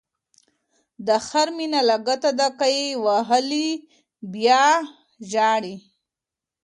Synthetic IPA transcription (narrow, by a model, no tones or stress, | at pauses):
d̪əxaɾminalaɡat̪ad̪akajewaɦəli | bjɑ | ʒɑːɽi